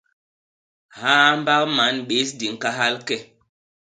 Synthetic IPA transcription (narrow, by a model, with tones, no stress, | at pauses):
hã˦m˦ba˦kma˨˦nɓe˨˦s̬di˨ŋ˨ka˦ɦa˦lkɛ˦˨